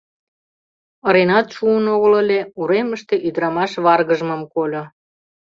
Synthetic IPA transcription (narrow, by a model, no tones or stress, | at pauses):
əɾenɑt̪ʃuənoɣələlʲeuɾeməʃt̪eʔyd̪ɾɑmɑʃβɑrɣəʒməmkolʲo